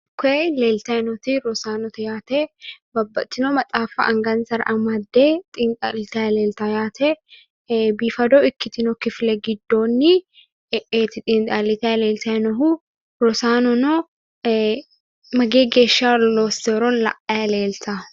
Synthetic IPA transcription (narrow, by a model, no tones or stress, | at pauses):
kɔeleːlt̪ɐnɔt̪ɪɾɔsaːnɔt̪ɐjaːt̪ebɐbːɐt͡ʃ̪ːɪnomɐt͡sʼaːfɐ̰ʔɐŋɡɐnsɐɾ̰ʔɐmɐd̪ːeːt̪ʼɪnt̪ʼa̰lɪt̪ɐleːlt̪ɐjaːt̪ʰɛ | biːfɐd̪ɔɪkːɪt̪ɪnɔkɪflɛɡɪd̪ːo̞ːnːɪ | eːt̪ɪt̪ʼɪnt̪ʼalɪt̪ɐjle̞ːlt̪ɐnɐɦu | ɾɔsaːnɔnɔ | mɐɡeːɡe̞ːʃːaːloːst̪eːɾɔnlɐ̰ʔɐjɐle̞ːlt̪ʰa